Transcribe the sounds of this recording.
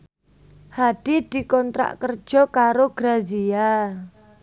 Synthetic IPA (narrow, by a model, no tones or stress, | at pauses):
haɖ̥id̪̥i̤kɔnt̪ɾa̰ʔkər̥ʒ̥ɔ̤kaɾoɡ̥ɾazia